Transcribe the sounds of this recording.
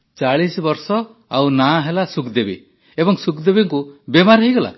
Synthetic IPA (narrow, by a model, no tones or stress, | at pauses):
t͡ʃaɭisbɔɾsɔ | awnaɦelasukd̪ebḭ | ebɔŋsukd̪ebiŋkubemaɾɦejɡɔla̰